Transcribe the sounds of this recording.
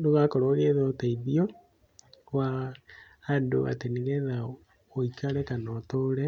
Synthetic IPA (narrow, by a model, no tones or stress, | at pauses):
doɣakoɾoɣeðɔotaiðio | waː | ndoa̰teniɣɛða | oikaɾɛkanɔtoɾɛ